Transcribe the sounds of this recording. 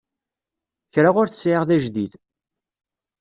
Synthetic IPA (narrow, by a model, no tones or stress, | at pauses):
çɾaʁʊɾθə̥sʕɪʁðæʒðiθ